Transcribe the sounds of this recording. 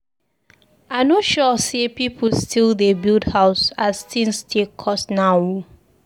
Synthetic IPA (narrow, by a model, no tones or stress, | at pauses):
aɪnɔtʃɔsepipʰustʰildebildhaʊsastĩŋstʰilkʰɔsnawu